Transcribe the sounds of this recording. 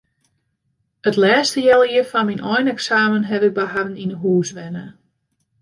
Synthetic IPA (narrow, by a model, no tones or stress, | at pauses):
ətlɛːstəjɛlˠiəfanminʔɔjnɛksaːmənɦɛvɪk̚bəɦadn̩inəɦuːsʋɛnə